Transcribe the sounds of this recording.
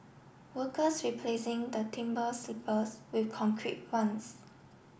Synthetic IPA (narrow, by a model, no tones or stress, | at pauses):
wəkəsɹipʰlesɪ̃ŋd̪ətʰĩmbəslipʰəswikʰɔ̃ŋkʰɹḭt̚wãns